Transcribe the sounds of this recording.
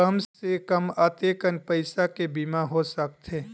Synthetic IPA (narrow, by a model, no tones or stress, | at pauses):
əmsekəmat̪ekənpəɪsakebiːmaɦosək̚t̪ɦeː